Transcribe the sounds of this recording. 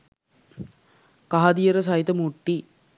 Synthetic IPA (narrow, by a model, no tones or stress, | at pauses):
kaɦad̪ijəɾəs̬ɐɦit̪əmuʈːi